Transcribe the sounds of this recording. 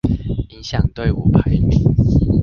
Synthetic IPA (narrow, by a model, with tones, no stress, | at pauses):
i˦nɕjɑ˥˨˩ŋt̪we˥˨ɪṵ˨˩pʰa˨˦ɪmḭ˨˩˦n